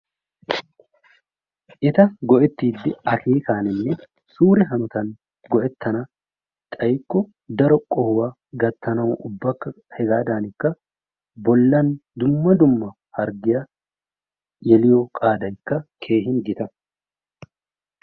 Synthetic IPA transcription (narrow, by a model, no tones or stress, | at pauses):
ʔɪt̪ɐɡɔʔɛt̪ːiːd̪ːɪɐkʰeːkaːnɪnːɛ | suːɾɛɦɐnɔt̪ɐn | ɡɔʔɛt̪ːɐnɐ | t̪ʼɐjkːɔ | d̪ɐɾɔkʼɔhʊwa | ɡɐt̪ːɐnɐwʊbːɐkːɐ | hɛɡaːd̪aːnɪkːɐ | bɔlːɐnd̪ʊmːɐd̪ʊmːɐ | hɐɾɡɪjɐ | jɛlɪjɔkʼaːd̪ɐɪkːɐkʰe̞ːɦɪnɡɪt̪ɐ